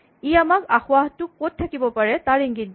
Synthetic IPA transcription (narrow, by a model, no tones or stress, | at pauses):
iamakaxʊaɦtʊkːot̚tʰːakibɔpaɹɛtaɹiŋɡit̚ː